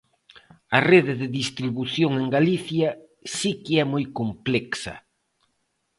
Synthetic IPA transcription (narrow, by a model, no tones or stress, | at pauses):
ɐreðɪðɪðist̪ɾiβuθjoŋeŋɡaliθjɐ | sikeɛmojkomplɛksɐ̰